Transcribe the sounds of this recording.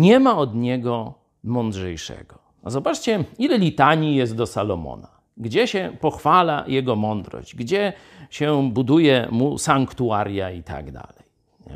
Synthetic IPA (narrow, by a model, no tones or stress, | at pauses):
ɲɛmaɔd̪ɲɛɡɔ | mɔnd̪ʐɛjʂɛ̰ɡɔ | zɔbat͡ʂt͡ɕɛilɛlʲit̪aɲijɛst̪̚d̪ɔsalɔmɔ̰na | ɡd͡ʑɛɕɛpɔxfala̰jɛɡɔmɔnd̪ɾɔ̰ʑd͡ʑɡd͡ʑɛ | ɕɛbud̪ujɛmusaŋkt̪uaɾʲjait̪a̰ɡd̪a̰lɛj | ɲɛ̰